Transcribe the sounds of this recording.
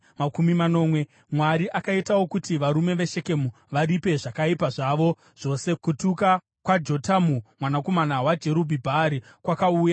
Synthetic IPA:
makumimano̞ːmwe̞ | mwaɾiʔakaitawo̞kutiʋaɾume̞ʋe̞ʃe̞ke̞mu | ʋaɾipe̞ʐakaipaʐaʋo̞ | ʐ̥o̞se̞kutuka | kwad͡ʒo̞tamumwanako̞manawad͡ʒe̞ɾubʱibʱaɾi | kwakauːja

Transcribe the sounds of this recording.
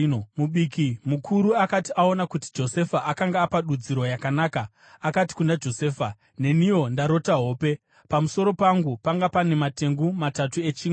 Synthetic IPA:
muɓikimukʰuɾuakatiʔao̞nakuti̥d͡ʒo̞se̞faʔakaŋɡaːpaɗud͡ziɾo̞jakanaːkaː | kati̥kundad͡ʒo̞se̞ːfa | ne̞nijo̞ndaɾo̞taɦo̞ːpe̞ | pamuso̞ɾo̞paŋɡupaŋɡapane̞mate̞ŋɡumatatue̞t͡ʃiː

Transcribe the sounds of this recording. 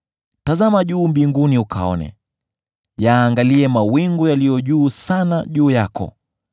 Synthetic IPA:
tazamaʄuːmbiŋɡuniukʰa̰ɔ̰nɛ̰ | jaːŋɡaliɛmawiŋɡɔjalijɔʄuːsanaʄuːjakɔ̰

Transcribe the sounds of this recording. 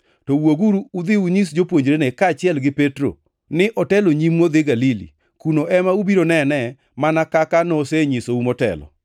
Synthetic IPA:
tɔwoɡuɾuːd̪ɪuɲis̬d͡ʒopwoɲd͡ʒɾenekaːt͡ʃɪɛlɡɪpetɾo̰ | nɪʔɔtɛloɲimŋod̪ɪɡalilḭ | kunoʔɛmaubiɾonɛnɛ | manakakanɔseɲisoumɔtɛ̰lɔ̰

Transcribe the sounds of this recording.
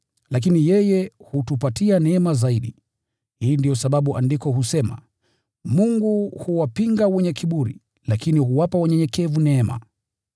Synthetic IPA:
lak̬inijɛjɛhutupatianɛɛmazaiɗi | hiːndijɔsaɓaɓuʔandikɔhusɛma̰ | muŋɡuhuwapiŋɡawɛɲɛkʰiɓuɾḭ | lakinihuwapawaɲɛɲɛkɛvunɛːma̰

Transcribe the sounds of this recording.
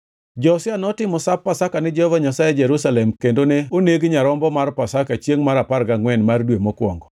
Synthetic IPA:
d͡ʒɔsɪanɔtɪmɔsapːasakanɪd͡ʒɔhɔvaɲasajɛd͡ʒeɾusalɛmkendoneoneɡɲaɾɔmbɔmarpasakat͡ʃjeŋmaɾaparɡaŋwɛnmardwemokwɔ̰ŋɡɔ

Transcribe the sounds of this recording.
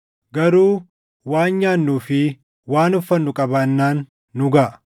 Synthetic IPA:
ɡɐɾuː | waːnɲaːnːuːfɪ | waːnʊfːɐnːʊkʼɐbanːaːnː | ʊɡaːʔ

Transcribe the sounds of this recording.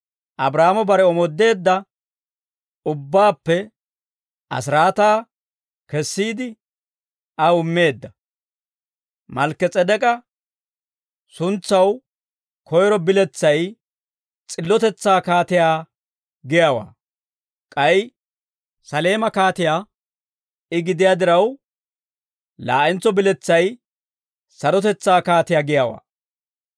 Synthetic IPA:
ʔɐbɾaːmɔbɐɾɛɔmɔd̪ːe̞ːd̪ːɐ | ʊbːaːpːɛ | ʔɐ̰s̬ɪɾaːt̪aː | kɛsːiːd̪ɪ | ʔɐʊmːe̞ːd̪ːɐ | mɐlkːɛt͡sʼɛd̪ɛkʼɐ | sʊnt͡sːɐw | kʰɔjɾɔbɪlɛt͡sːɐj | t͡sʼɪlːɔt̪ɛt͡sːaːkaːt̪ɪjaː | ɡɪjaːwa̰ː | kʼɐj | sɐle̞ːmɐkaːt̪ɪjaː | ɪɡɪd̪ɪjaːd̪ɪɾɐw | la̰ːʔɪnt͡sːɔbɪlɛt͡sːɐj | sɐɾɔt̪ɛt͡sːaːkaːt̪ɪjaːɡɪjaːwa̰ː

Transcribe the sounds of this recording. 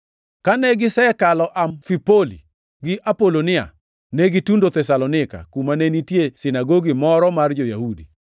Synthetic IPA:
kanɛɡɪsɛkalɔʔamfipolḭ | ɡɪʔapolonɪa̰ | nɛɡitundot̪ɛsalonɪka̰kumanenitjesɪnaɡoɡimɔɾɔmard͡ʒojahudḭ

